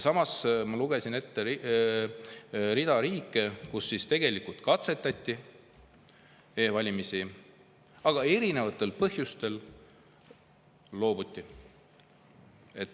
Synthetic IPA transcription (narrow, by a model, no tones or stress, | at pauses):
sɑmɑsmɑluɡ̥e̞sine̞t̪ːe | ɾid̪̥ɑɾiːkːˑekusːist̪e̞ɡ̥e̞likult̪kɑt̪se̞t̪ːˑɑt̪ʲˑːi | eːvɑlʲimisi | ɑɡ̥ɑe̞ɾine̞vɑt̪ˑːe̞lpɤɦjust̪e̞l | o̞ːbut̪ʲːi | e̞t̪ːˑ